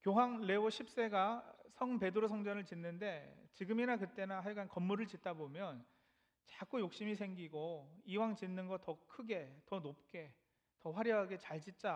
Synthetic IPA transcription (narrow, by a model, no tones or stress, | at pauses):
kjoɦwaŋle̞oɕʰip̚s͈e̞ɡasʰʌŋpe̞dɯɾosʰʌŋd͡ʑʌnɯɭt͡ɕinːɯnde̞t͡ɕiɡɯminakɯt͈e̞naɦaɭɡankʌmːuɾɯɭt͡ɕit̚t͈abomjʌn | t͡ɕak͈ujok̚ɕ͈imisʰe̞ŋɡiɡoiwaŋt͡ɕinːɯnɡʌtʌkʰɯɡe̞tʌnop̚k͈e̞ | tʌɸwaɾjʌɦaɡe̞t͡ɕaɭd͡ʑit̚t͡ɕ͈a